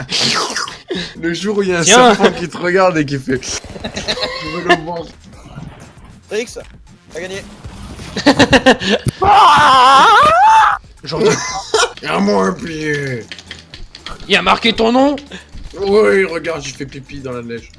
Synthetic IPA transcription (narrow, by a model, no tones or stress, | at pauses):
ləʒuʁujaɛ̃ɛ̃fɑ̃kʲit̪əʁəɡaʁd̪ek̬ʲifɛ | t̪yvəlɔva | iks | aɡaɲe | ʒɔ̃ | ãmɔ̃pi | ilamaʁkʲet̪ɔ̃nɔ̃ | wiʁəɡaʁd̪t̪yfɛpipid̪ɑ̃lanɛʒ